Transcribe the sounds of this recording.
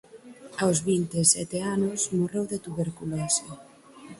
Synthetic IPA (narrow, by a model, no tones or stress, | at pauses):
awzβint̪esɛt̪eanʊsmorewðet̪uβeɾkulese